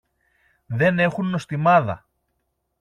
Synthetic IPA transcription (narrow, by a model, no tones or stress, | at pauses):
ðe̞ne̞xunːo̞st̪imɐðɐ̰